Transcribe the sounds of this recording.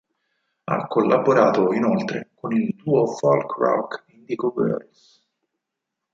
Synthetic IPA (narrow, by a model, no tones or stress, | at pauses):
a̰kːolːʔaboɾaːt̪oinolt̪ɾḛkonilt̪uːofɔlkra̰wkind̪ikobø̰ɾis